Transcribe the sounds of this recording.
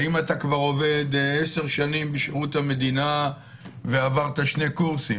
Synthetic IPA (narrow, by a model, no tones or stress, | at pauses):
imatakvaʁo̞ve̞d̪ese̞ʁʃanimbeʃeʁuthame̞d̪ina | veavaʁt̪aʃne̞kuʁsim